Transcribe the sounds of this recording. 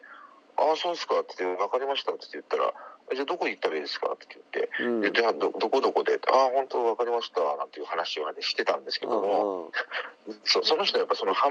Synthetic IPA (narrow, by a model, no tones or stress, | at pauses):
aso̞ːd̪e̞sɨ̥kat̪ːeβakaɾʲimaɕi̥t̪at̪t̪ːejɯ̟t̪ːaɾa̰d͡ʑad̪okoit̪ːabed̪e̞sɨ̥ka̰t̪ːejɯ̟t̪ːe̞̰jɯt̪ːad̪od̪o̞ko̞d̪oko̞d̪e̞t̪ːahõ̞nt̪o̞βakaɾʲimaɕi̥t̪anã̰nt̪e̞jiɯ̟hanaɕianeɕi̥t̪e̞t̪ã̰nd̪e̞sɨ̥ke̞d̪omo̞ | soso̞no̞çi̥t̪oajapːaiso̞no̞hã